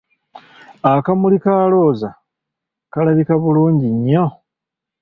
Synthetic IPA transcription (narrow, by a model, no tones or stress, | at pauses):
akamulikaːlo̞ːza | kalaβikaβuluːɲɟiɲːo̞